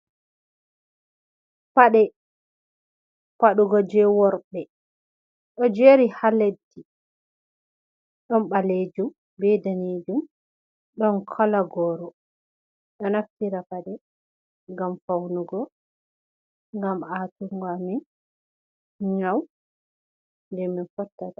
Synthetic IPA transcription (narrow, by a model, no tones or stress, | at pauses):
paɗɛ | paɗuɡɔd͡ʒɛwɔɾbɛ | ɗɔd͡ʒeɾihaledːi | ɗɔnɓaled͡ʒum | bɛdaneːd͡ʒum | ɗɔnkʰɔlaɡɔɾɔ | ɗɔnaftiɾapaɗɛ | ŋɡamfawnuɡɔ | ŋɡamatuŋɡɔamin | ɲaw | nd͡ʒɛminfɔtːata